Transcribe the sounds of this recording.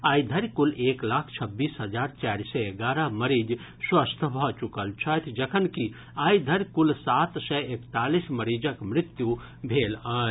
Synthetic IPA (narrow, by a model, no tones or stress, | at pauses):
aːid̪ʱəɾkuleklakʰt͡ʃʰəbːiːsɦəd͡ʒaːɾt͡ʃaɾsɛeɡaɾəməɾid͡ʒ | swəst̪ʰəbʱət͡ʃukəlt͡ʃʰət̪ʰd͡ʒəkʰənki | aid̪ʱəɾkulsat̪sɛekt̪alisməɾid͡ʒəkmɾɪt̪ju | bʱelaː